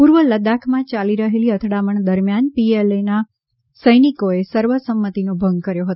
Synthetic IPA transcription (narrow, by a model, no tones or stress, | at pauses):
puɾʋələd̪akʰmãt͡ʃaliɾəɦeliət̪ʰɽaməɳd̪əɾmjanpielena | səjnikoesəɾʋəsəmːət̪inobʱəŋɡ̚kəɾjoɦət̪o